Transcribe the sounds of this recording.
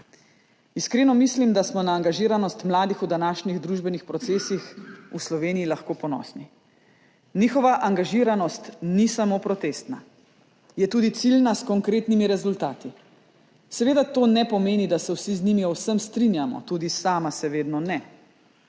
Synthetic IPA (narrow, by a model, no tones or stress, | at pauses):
iskɾeːnɔmislimd̪asmɔnaːŋɡaʒiːɾanɔst̪mlaːd̪ixud̪anaːʃniɣd̪ɾuʒbɛnixpɾɔt̪seːsixuslɔʋeːnijilaxkoːpɔnɔ̰ːsni | nixɔʋaʔaŋɡaʒiɾanɔst̪nisamoːpɾɔt̪eːst̪na | jɛt̪uːd̪it̪silnaskɔŋkɾeːt̪nimiɾɛzult̪aːt̪i | sɛʋeːd̪at̪oːnɛpɔmeːnid̪asɛwsiznimiɔwsəmst̪ɾinjamɔ̰t̪uːd̪isaːmasɛʋeːd̪nɔnɛ